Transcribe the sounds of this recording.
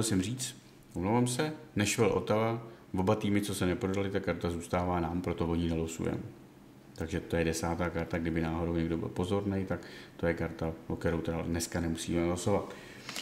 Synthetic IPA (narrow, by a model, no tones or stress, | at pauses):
ɛlsɛmriːt͡s̪ | ʔomlowvamsɛnɛʃvɛlʔo̞̰t̪ala | vo̞bat̪iːmɪt͡so̞sɛnɛpɾo̞dalɪt̪akːaɾt̪azuːst̪aːvaːnaːmpɾo̞t̪o̞vo̞ɲɪnɛlosṵjɛ̰m | t̪aɡʒɛt̪o̞jɛdɛsaːt̪aːkaɾt̪aɡdɪbɪnaːɦo̞do̞wɲɛɡdo̞bɪ̰lpo̞zo̞ɾnɛjt̪akt̪o̞jɛkaɾt̪aokt̪ɛɾowt̪ɛdadnɛskanɛmusḭːmɛloso̞vat̪